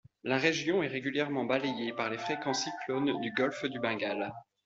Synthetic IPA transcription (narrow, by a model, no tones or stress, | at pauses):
laʁeʒjɔ̃ɛʁeɡʲyljɛʁmɑ̃balejepaʁlefχekɑ̃siklond̪yɡɔlfd̪ybɛ̃ɡal